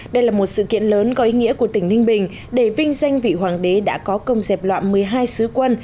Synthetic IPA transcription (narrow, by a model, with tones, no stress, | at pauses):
ɗə˧jlaː˨˩mo˨˩t̚sɨ̰˧˨kḭ˧˨ənləː˨˦nkɔ˨˦ʔi˨˦ŋḭ˧˥əku˧˩ət̪ï˩ŋ̟nï˧ŋ̟ɓï˨˩ŋ̟ | ɗe˧˩vï˧ŋ̟za˧jŋ̟vḭ˧˨ɦwaː˨˩ŋɗe˨˦ɗa̰ː˧˥kɔ˨˦kə˧wŋ͡mzɛ˨˩p̚lwa̰ː˧˨nmɨ˨˩əjɦaː˧jsɨ˨˦kwə˧n